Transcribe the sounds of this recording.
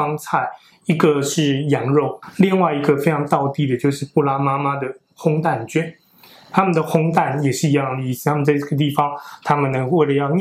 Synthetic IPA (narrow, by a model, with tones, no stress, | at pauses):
ɑ˥ŋt͡sʰa˥˩ɪ | i˧˥ɡə˨˧ʂɻ̩˥˩jɑ˧˥ŋɻo˥˩ʊli˥˧ŋwa˥˩ɪi˧˥ɡə˧fe˥ɪʈ͡ʂʰɑ˧˥ŋt̪ɑ˥˧ʊt̪i˥˩d̪ə˩t͡ɕjo˥˧ʊʂɻ̩˥˧pu˥˩la˥ma˥ma˥d̪ə˨ | xʊ˥ŋt̪a˥˩nt͡ɕɥɛ˥n | t̪ʰa˥mə˨nd̪ə˩xʊ˥ŋt̪a˥˩njɛ˨˩ʂɻ̩˥˩i˧jɑ˥˩ŋd̪ə˨i˥˩st̪ʰa˥mə˨nt͡sa˥˧ʈ͡ʂə˩t̪̬i˥˩fɑ˩ŋt̪ʰa˥mə˨nːə˧˦˥ŋwe˥˩ɪlə˩jɑ˥˧ʊm˥